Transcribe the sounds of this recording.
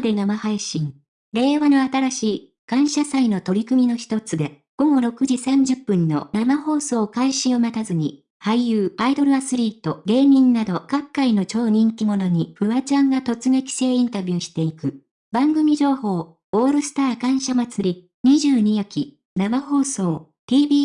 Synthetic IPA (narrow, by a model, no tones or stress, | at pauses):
d̪e̞namahaiɕĩŋ | ɾe̞ːβano̞at̪aɾaɕiː | kãɰ̃ɕasaino̞t̪o̞ɾʲikɯ̟mʲino̞çi̥t̪o̞t͡sɨd̪e̞ | ɡ̥o̞ɡo̞ɾo̞kɯ̟ʑisãɲ̟d͡ʑɨpːɯ̟̃nːo̞̰namaho̞ːso̞ːkaiɕĩɰ̃omat̪azɨɲ̟i | haijɯːaid̪o̞ɾɯ̟asɨɾʲiːt̪o̞ɡe̞ːmʲĩnːad̪o̞kakːaino̞t͡ɕo̞ːɲ̟ĩŋkʲimo̞no̞ɲ̟iɸɯ̟βat͡ɕãŋɡat̪o̞t͡sɨɡe̞kʲi̥se̞ːĩnt̪abʲjɯːɕi̥t̪e̞ikɯ̟ | bãŋɡɯ̟mʲid͡ʑo̞ːho̞ː | oːɾɯ̟sɨ̥t̪aːkãɰ̃ɕamat͡sɨɾʲi | ɲ̟iʑɨːɲ̟ijakʲi | namaho̞ːso̞ː | t̪ʲiːbʲiː